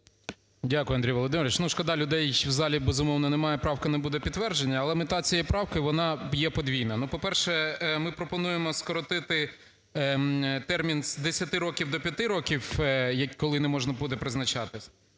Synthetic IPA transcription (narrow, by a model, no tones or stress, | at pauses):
dʲakʊjʊɐnd̪ɾʲijʋɔlˠɔd̪ɪmeɾʋɪt͡ʃnuʃkɐd̪ɑlʲʊd̪ɛjwzɑlʲibezʊmɔwnɐnɛmɑjɛpɾɑwkɐnɐbud̪ɛpʲid̪tːʋɛrd͡ʒenʲːɐːlˠɛmɪt̪ɑt͡sʲijɛjpɾɑwkɐʋɔnɑjɛpɔd̪ʋʲijnɐnupɔpɛrʃɛmɪpɾɔpɔnujemɔskɔɾɔt̪ɪt̪ɪ | t̪ɛrmʲinzd̪esʲɐt̪ɪɾɔkʲiwd̪ɔpʲjɐt̪ɪɾɔkʲiwjɐkkːɔlˠɪnɛmɔʒnɐbud̪ɛpɾɪznɐt͡ʃɑt̪ɪsʲ